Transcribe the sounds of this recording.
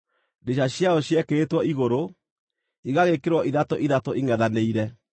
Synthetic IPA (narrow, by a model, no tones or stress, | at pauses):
deɕaɕjaɔɕjɛkeːtwɔiɣoɾo | iɣaɣekeɾwɔʔiðatoʔiðatoʔiŋɛðaneiɾɛ